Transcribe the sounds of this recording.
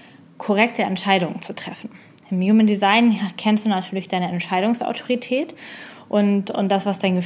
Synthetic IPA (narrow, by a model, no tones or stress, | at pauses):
kʰoʁɛk̚tʰəɛ̰ntʃaɪdʊŋənt͡sutʁ̥ɛfn̩ | ʔɪmjuːməndizaɪnkʰɛnstd̥uːnatʰyːɐlɪçd̥aɪnəɛntʃaɪɾʊŋsa̰ʊtʰo̥ʁitʰɛːtʔʊntʊ̰nt̚d̥asv̥asd̥aɪnɡə